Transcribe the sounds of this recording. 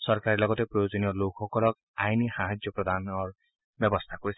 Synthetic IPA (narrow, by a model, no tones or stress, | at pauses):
sɔɹkaɹilɔɡɔtepɹɔjod͡ʒoniɔlokʰxɔkɔlɔk̚ | ajnixaɦad͡ʒjɔpɹɔd̪ʱanɔɹ | bjɔbɔst̪ʰakoɹis